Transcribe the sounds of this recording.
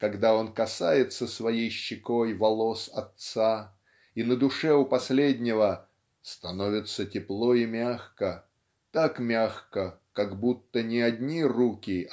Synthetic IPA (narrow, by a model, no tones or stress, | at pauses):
kɐɡd̪ao̞nkɐsajɪt̪səsvɐjejɕːɪko̞jvɐlˠo̞sɐt̪sa | inəd̪ʊʂɛʊpɐsʲlʲedʲnʲɪvə | st̪ɐno̞vʲɪt̪sətʲɪplˠo̞ɪmʲaxkə | t̪akmʲaxkəkaɡbut̪ːənʲɪɐdʲnʲirukʲɪ